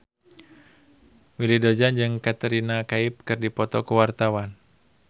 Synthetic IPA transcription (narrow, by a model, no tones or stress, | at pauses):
wilidod͡ʒand͡ʒɨŋkat̪əɾinakaip̚kɨrdipɔt̪ɔkuwart̪awan